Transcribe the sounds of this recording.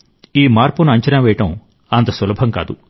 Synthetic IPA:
iːmaːɾpunuɐɲt͡ʃɐnaːʋɛːjɐʈɐm | ɐnt̪ɐsɐlɐbʱɐŋka̰ːd̪u

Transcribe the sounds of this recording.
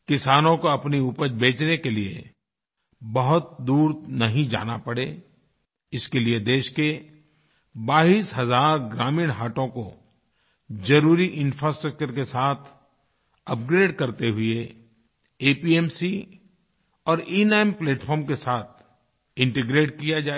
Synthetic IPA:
kɪsaːnõkoɐpniupəbeːt͡ʃnekeliḛ | bɐɦʊt̪̚d̪uːɾnɐɦĩd͡ʒa̰ːna̰pɐɽeː | ɪskelied̪eːʃke | baːɦiːsɦɐzaːɾɡɾaːmĩːɽɦaːʈõko | d͡ʒɐɾuːɾiʔɪ̃nfɾaːsʈɾək̚t͡ʃəɾkesaːt̪ʰ | ɐp̚ɡɾeːɖkɐɾt̪eɦʊe | eːpiːɛːmsi | ɔːɾiːnaːɪmpleːʈfʰɔːɾmkesaːt̪̚ʰ | ɪ̃ɳʈeɡɾeːʈ̚kijad͡ʒaːe

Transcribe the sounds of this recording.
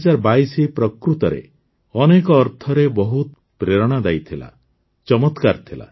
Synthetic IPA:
d͡ʒaɾbaisipɾɔkɾut̪ɔɾḛ | ɔnekɔːɾt̪ʰɔɾebɔɦut̪ | pɾeɾɔɽ̃ad̪ajt̪ʰila̰ | t͡ʃɔmɔt̪kaɾt̪ʰila̰

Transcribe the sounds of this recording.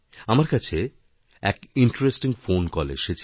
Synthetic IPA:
amaɾkat͡ɕʰe | ɛkiɳʈɾesʈiŋfonkɔlḛʃet͡ɕʰ

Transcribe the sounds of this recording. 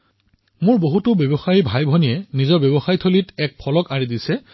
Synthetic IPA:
mʊɹboɦutʊbjɔbɔxaɹibʱajbʱɔniɛnizɔbjɔbɔxajitʰolitɛk̚pʰɔlɔkaɹidisɛ

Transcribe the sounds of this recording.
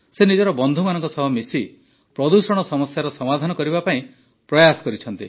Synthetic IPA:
senid͡ʒɔɾɔbɔnd̪ʱumanɔŋkɔsɔɦɔmisi | pɾɔd̪usɔɽ̃ɔsɔmɔsjaɾɔsɔmad̪ʱanɔkɔɾiβbapaĩ | pɾɔjasɔ̥kɔɾit͡ʃʰɔnt̪i

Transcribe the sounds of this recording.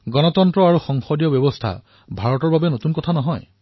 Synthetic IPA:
ɡɔnɔt̪ɔntɹɔaɹuxɔŋxɔdijɔbjɔbɔst̪ʰa̰ | bʱaɹɔtɔɹbabenot̪unkɔt̪ʰanɔɦɔj

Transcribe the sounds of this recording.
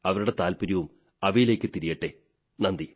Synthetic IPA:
ɐʋɐɾuɽe̞t̪aːlpuɾɐʋum | ɐʋɐjile̞ːkːɨt̪iɾijɐʈːe | nɐnd̪i

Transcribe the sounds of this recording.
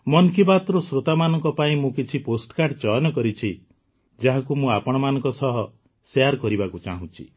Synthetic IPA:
mɔnkibat̪ɾɔsɾot̪amanɔŋkɔpaĩmũkit͡ʃʰiposʈkaɾɖt͡ʃɔjɔnɔkɔɾit͡ʃʰi | d͡ʒaɦakumũapɔɽ̃ɔmanɔ̃ŋkɔsɔɦɔ | seaɾkɔɾibakut͡ʃa̰ɦũt͡ʃʰi

